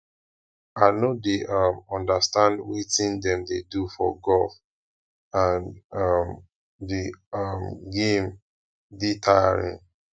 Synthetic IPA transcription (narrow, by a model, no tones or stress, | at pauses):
aɪnodeʔɔmɔ̃ndastãndwitĩndɛ̃mdedufɔ̰ɡɔlf | ãnm | diɔmɡẽm | ditʰaɹḭ̃n